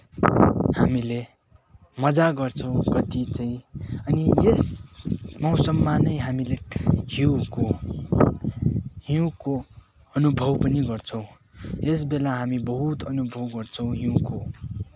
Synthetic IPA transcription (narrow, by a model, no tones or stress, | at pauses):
hamile | mʌd͡zaɡʌrt͡sʰʌw̃kʌt̪it͡saĩʌnijes | mʌwsʌmːanʌjɦamilehiko | hiũko | ʌnubʱʌwpʌniɡʌrt͡sʰʌ̃w̃ | es̬belaɦamibʌɦut̪ʌnubʱʌwɡʌrt͡sʰʌ̃w̃ɦiwko